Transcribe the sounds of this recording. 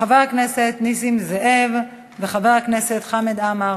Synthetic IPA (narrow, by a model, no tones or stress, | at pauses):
avaʁakneset̪nisimzeʔev | veχavaʁakneset̪χamed̪ama